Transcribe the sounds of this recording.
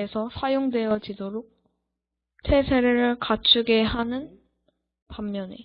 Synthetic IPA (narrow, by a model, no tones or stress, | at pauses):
esʰʌsʰajoŋdwe̞jʌd͡ʑidoɾok̚ | tʰe̞sʰeɾeɾɯɭkat͡ɕʰuɡe̞ɦanɯn | pamːjʌnḛ